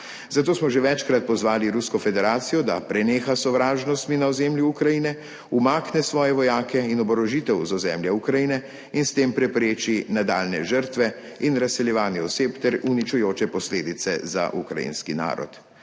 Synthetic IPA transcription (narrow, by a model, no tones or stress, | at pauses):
zat̪oːsmɔʒeʋɛt͡ʃkɾat̪̚pɔzʋaːliɾuskɔfɛd̪ɛɾaːt̪sijɔd̪a̰pɾɛneːxasɔʋɾaːʒnɔst̪minaɔzɛːmljuukɾajiːnɛ | umaːknɛsʋɔːjɛʋɔjaːkʰɛinɔbɔɾɔʒit̪ɛwzɔzɛmljɛukɾajinɛ | inst̪eːmpɾɛpɾeːt͡ʃinad̪a̰ːlnɛ̰ʒəɾt̪ʋɛ | inɾasːɛljɛʋaːnjɛɔseːpt̪ɛɾunit͡ʃujoːt͡ʃɛpɔsleːd̪it̪sɛza̰ʔṵkɾa̰jḭnskina̰ːɾɔ̰t̪